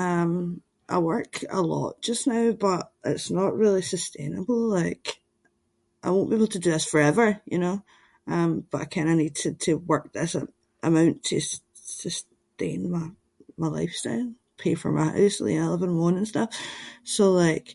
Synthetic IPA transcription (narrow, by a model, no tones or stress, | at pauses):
ʌ̃m | ʔa̰ɪwɜ˞kə̰lˠɔ̰ʔd̥ʒ̥ʌsnaʊbʌʔʔɪ̰tsnəʔɹilˠisəstʰẽnəbl̩ˠlaɪk | ʔaɪwõnb̥iebl̩ˠtʰədɨðɪsfə˞ɛvə˞jɨ̰no | ʌ̃mb̥ʌʔaɪkʰãɪ̃ndənid̚tʰɨtʰəwɜ˞k̚ðɪsə | ʔəmãʊ̃ntʰə | səs | tḛ̃nmaɪ | maɪlˠa̰ɪfstaɪlˠ | pʰefə̰˞maɪha̰ʊs̩ˠḭɛlˠəvə̃nʔwɔ̃nə̃nstʌfsolˠaɪk